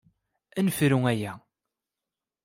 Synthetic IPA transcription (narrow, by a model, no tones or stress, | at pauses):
ænfɾuŋæjæ